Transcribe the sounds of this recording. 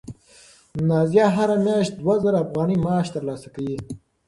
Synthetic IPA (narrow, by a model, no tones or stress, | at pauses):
nɑzjɑɦaɾamjɑʃt̪̚d̪wazaɾaːfɣɑːnimɑːʃt̪aɾlɑːsakawi